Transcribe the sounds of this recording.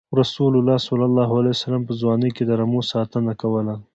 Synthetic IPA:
ɾasulʊlɑsalːalːɑɦalajsalampəzwɑːnəked̪əɾamosɑt̪ənakawəla

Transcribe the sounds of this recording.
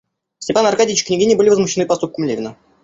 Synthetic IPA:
sʲtʲɪpanɐrkadʲiɪt͡ɕʲknʲɪɡʲinʲɪjbɨlʲɪvəzmʊɕːɪnɨpɐst̪up̚kəmlʲevʲɪnə

